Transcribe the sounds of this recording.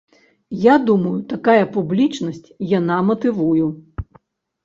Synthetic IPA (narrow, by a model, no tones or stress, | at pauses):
jad̪umɐjut̪akajɐpublʲit͡ʂnɐsʲt͡sʲjanamɐt̪ɨvuju